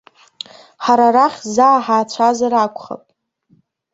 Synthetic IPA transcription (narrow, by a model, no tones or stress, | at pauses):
ħaɾaɾaχʲzaːħaːt͡ɕʷʰazaɾakʷʰʼχa̰pʼ